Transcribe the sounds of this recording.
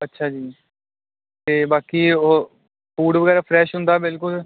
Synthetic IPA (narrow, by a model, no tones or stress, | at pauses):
ətːʃʰaːd͡ʒiː | t̪eːbaːkiːoː | puːɽʋəɡɛːɾaːpʰɾɛːʃɦʊ̃nd̪aːbɪlkʊl